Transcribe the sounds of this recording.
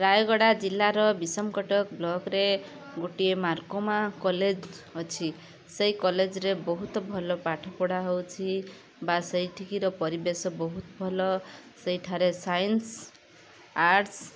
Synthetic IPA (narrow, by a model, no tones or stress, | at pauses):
ɾajɡɔɽad͡ʒilːaɾɔbisɔmkɔʈɔkblɔɡɾe | ɡoʈiemaɾkomakɔled͡ʒ | ɔt͡ʃʰi | sejkɔled͡ʒɾebɔɦut̪ɔbʱɔlɔpaʈʰɔpɔɽaɦowt͡ʃʰi | basejʈʰikiɾɔpɔɾibesɔbɔɦut̪bʱɔlɔsejʈʰaɾesajns | aɾs